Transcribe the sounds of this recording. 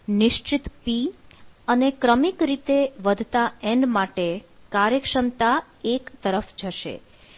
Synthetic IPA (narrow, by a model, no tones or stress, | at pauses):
nɪʃt͡ʃit̪piənekɾəmikɾit̪eʋəd̪ʱt̪aɛɳɖmaʈekaɾjəkʃəmt̪a | ekt̪əɾəfd͡ʒəʃḛ